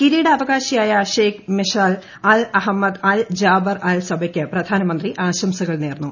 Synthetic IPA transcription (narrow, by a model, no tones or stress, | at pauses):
kiɾiːɽɐɐʋɐɣaːɕɐjaːjɐɕeːkmeʂaːl | ɐlɐɦɐmːɐd̪ɐːld͡ʑaːbɐrɐlsɐbʱɐkʲːɨprɐd̪ʱaːnɐmɐnd̪riʔaːɕɐmsɐɣɐɭneːrnːu